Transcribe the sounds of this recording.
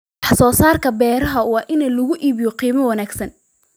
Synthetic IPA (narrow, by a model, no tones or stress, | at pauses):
wɑħsɔːsaːrkʰɐbɛːɾɐɦɐwɑːʔɪnɐlʊɣʊʔiːβɪjɔqiːmɐwɑnaːɡsɐn